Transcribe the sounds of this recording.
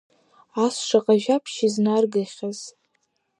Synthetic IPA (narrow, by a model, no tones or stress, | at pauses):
asʂaqʼaʒapʰʃiznarɡɨχʲaz̥